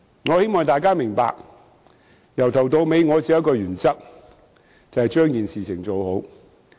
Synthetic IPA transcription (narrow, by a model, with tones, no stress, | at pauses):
ŋɔː˨˧he˥jmɔː˨ŋt̪aː˨jkaː˥mɪ˨˩ŋpa̰ː˧k̚ | jɐ˨˩wt̪ʰɐ˨˩wt̪o˧wme˨˧jŋɔː˨˧t͡siː˧jɐ˥kɔː˧jyː˨˩nt͡sɐ˥k̚ | t͡sɐ˨˧hɐ˨jt͡ʃœː˥ŋkiː˨nsiː˨t͡sʰɪ˨˩ŋt͡so˨who˨˥w